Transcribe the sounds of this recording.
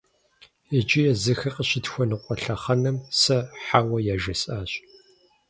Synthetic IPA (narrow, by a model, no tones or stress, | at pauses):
ɛd͡ʒɪjɛzɨxɐqʼəɕɪtxʷɔnɨqʷʼɔɬɐχɐnɨmsɐħaːwɐjaʒɐsʼaːɕ